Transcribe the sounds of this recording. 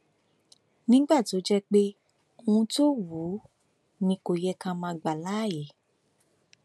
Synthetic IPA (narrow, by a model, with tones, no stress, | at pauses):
nĩ˦ɡ͡ba˦˨to˨˦d͡ʒɛ˦k͡pe˦ | o˧ũ˧to˦wu˨˦ | nĩ˧ko˧jɛ˧kã˧mãː˧ɡ͡ba˨la˨˦˨je˨˦